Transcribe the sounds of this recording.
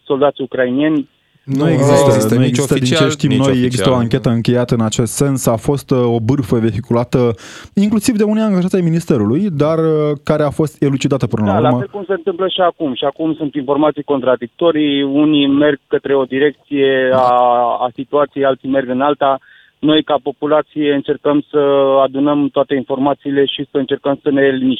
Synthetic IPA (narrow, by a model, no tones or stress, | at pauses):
so̞ld̪at̪sʲukɾainijenʲ | nujeɡzisnojeɡist̪əd̪int͡ʃeʃt̪imnojeɡzist̪əoaŋkʲe̞t̪əɨŋkʲe̞jat̪əɨnat͡ʃe̞st̪se̞nsafo̞st̪o̞bɨrfəve̞ɦikulat̪əiŋklusivd̪e̞unejaŋɡaʒat̪ʲajminist̪e̞ɾulujd̪arəkaɾe̞afo̞st̪elut͡ʃid̪at̪əpɨnəlauɾameekumse̞ɨnt̪ɨmpləʃiakumʃiakumsunt̪info̞rmat̪sijko̞nt̪ɾad̪ik̚t̪o̞ɾiunime̞rɡ̚kət̪ɾe̞o̞d̪iɾe̞k̚t̪sije̞aːsit̪uat̪sijejalt̪sime̞rɡɨnalt̪a | no̞jkapo̞pulat̪sije̞ɨnt͡ʃe̞rkəmsəad̪unəmt̪oat̪e̞info̞rmat̪siːle̞ʃisəɨnt͡ʃe̞rkəmsəne̞limi